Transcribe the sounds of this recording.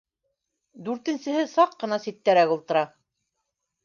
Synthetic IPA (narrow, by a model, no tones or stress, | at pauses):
d̪ʉɾt̪ɘ̆nsɘ̆ɦɘsɑqːɤ̆nɑsit̪ːæɾækulˠt̪ɤ̆ɾɑ